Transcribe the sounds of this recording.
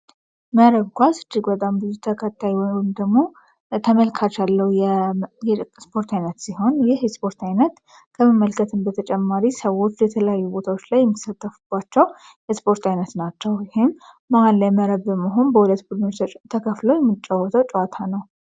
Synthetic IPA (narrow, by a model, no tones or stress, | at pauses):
məɾəβkʷʰasɨd͡ʒːɪɡbət̪ʼambɨzut̪ʰəkʰət̪ʰːajwɔjwjmd̪əɡmo̞ | t̪ʰəməlkʰat͡ʃalːəwujjspʰo̞ɾt̪ʰajnət̪siɦo̞njɪhspo̞ɾt̪ajnət̪ | kʰəməmːəlkʰət̪ʰɨmbət̪ʰət͡ʃʼɛmːaɾisəwo̞t͡ʃːjɛt̪ʰələjajːubo̞t̪ʰawot͡ʃːlajːɛmːit̪sat̪ʼːəfubːat͡ʃːɛw | jɛspo̞ɾt̪ʰajnət̪nat͡ʃːɛwjɪhɪmː | əwanlajməɾəβbəməɦo̞nbəwulət̪bud̪nət̪ʰəkʰəflowjɛmːɨt͡ʃʼːawːət̪ʰəwt͡ʃʼowat̪ʰanəw